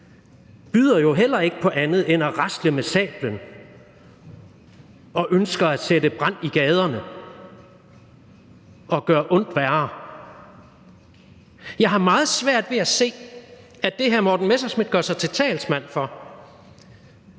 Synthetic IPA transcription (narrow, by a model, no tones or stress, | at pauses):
b̥yːð̰ˠɐjo̝ɦel̰ɐe̝ɡ̥əpʰɒ̽ʔænð̩ˠenæʁasd̥ləmesɛ̰ːb̥lən | ɒ̽ʔønsɡ̥ɐæ̥sedəb̥ʁɑ̈n̰iɡ̥ɛːð̞ˠɐnə | ɒ̽ɡ̥ɶːɐʔɔ̽n̰d̥ʋæɐ | jɑ̈ɪɦɑ̈mɑ̈ːð̞̩ˠsʋæɐ̰d̥ʋe̝æse̝̰ː | æd̥e̝ɦæɐmɒːd̥n̩mesɐsmid̥̚ɡ̥ɶɐsɑ̈ɪt͡sʰe̝lt͡sʰɛ̰ːlsmæn̰fɒ̽